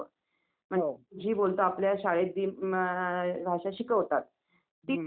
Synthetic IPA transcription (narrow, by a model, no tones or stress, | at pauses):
m̤əeud͡ʑʱiːbolt̪oapljaɕaɭet̪̚d̪iː | bʱaʂaɕikəɦot̪at̪̚ː | i